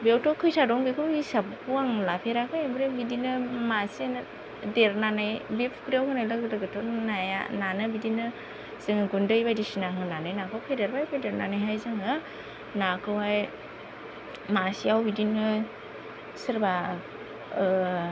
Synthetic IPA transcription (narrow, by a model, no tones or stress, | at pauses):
bewtɔkʰɯjsadɔŋbekʰɯisabkuaŋlapʰeɾakʰɯjbɾebidinɯmasian | deɾnanɯjbipʰkɾawkʰɯnajlaɡlɯɡɯtʰɔnaja̰nanɯbidinɯ | z̥ɯŋɯɡundɯjbajdisinaŋɯnanɯjnakʰɯwkʰɯjdeɾbajpʰedeɾnanajɦajzaŋɯ | nakʰɯwaj | masiawbidinɯ | sɯɾba